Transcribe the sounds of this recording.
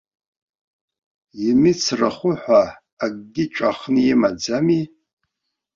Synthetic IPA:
jimɪt͡sʰraχʷʊħʷaː | ɡ̚ʼɡʲɪt͡ʃʷʼaχnjimad͡zami

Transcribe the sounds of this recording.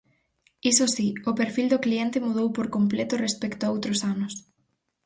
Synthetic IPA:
isosiʊpeɾfild̪ʊkliɛnt̪ɪmuð̞owpoɾkomplet̪ʊrespɛkt̪oaowt̪ɾʊsanʊs

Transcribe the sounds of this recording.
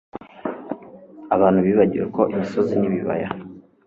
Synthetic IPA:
aβaːn̥huβiːβaɟiɾekʰo̞ʔimiso̞ziniβiβa̰ja

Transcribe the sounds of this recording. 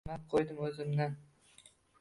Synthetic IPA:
map̚qʰojd̪ɪmɵzɪmd̪an

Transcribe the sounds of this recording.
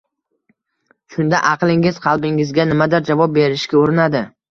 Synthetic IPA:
ʃʊnd̪aʔɑqlˠɪŋɪz̥qʰɑlˠbɪŋɪzɡʲanɪmad̪ɪɾd͡ʒavɒp̚be̞ɾɪʃkʲaoɾɪnad̪ɪ

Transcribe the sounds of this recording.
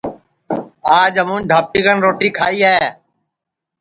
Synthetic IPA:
aːd͡ʒɦəmũːnd̪ʱaːp̚t̪iːkənɾoːʈiːkʰaːiːɦɛː

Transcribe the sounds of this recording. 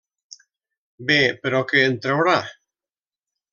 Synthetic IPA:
bepeɾokeːnt̪ɾewɾa

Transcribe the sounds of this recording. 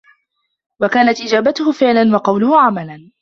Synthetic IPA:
wakaːnat̪ʔɪd͡ʒaːbat̪ʊhʊfɪʕlanwɑqɑwlʊhʊʕamalan

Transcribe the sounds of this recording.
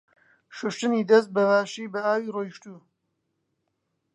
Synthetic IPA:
ʃʊʃt̪ɨniːd̪ɐs̬t̪̚bɐvaːʃiːbɐaːwiːrojʃt̪uː

